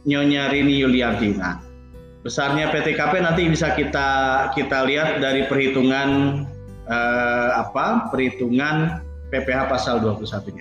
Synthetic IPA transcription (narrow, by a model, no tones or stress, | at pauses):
ɲoɲaɾinijuliart̪ina̰ | bəsarɲapet̪ekapenant̪̬ibisakit̪akit̪aliat̪̚daɾipərhit̪uŋan | əapapərhit̪uŋan | pepeɦapasalduapulusat̪uɲa